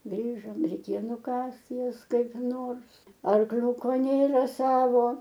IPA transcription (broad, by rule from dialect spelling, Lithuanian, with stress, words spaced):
ˈɡrʲiːʒoːm rʲɛɪˈkʲeːjoː nʊˈkɐst ˈjɛs kɐɪp ˈnoːrs ɐrˈklʲʊkoː ˈnʲeːrɐ ˈsɑːʋoː